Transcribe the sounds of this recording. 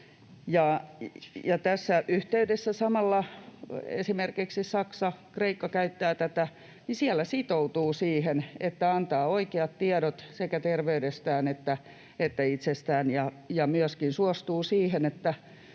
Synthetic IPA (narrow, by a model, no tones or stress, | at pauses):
jɑ | jɑt̪æsːæʔyht̪eydesːæsɑmɑlːɑ | ḛsimerkiksissɑksɑkreikːɑkæyt̪ːæːt̪æt̪æ | nisiælːˑæsit̪out̪uːsiːhenet̪ːæɑnt̪ɑːoikeɑt̪t̪iɛɾot̪sekæt̪erʋeydest̪æːnet̪ːæ | et̪ːæit̪sest̪æːnjɑ | jɑmyøskinsuɔst̪uːsiːhenet̪ːæ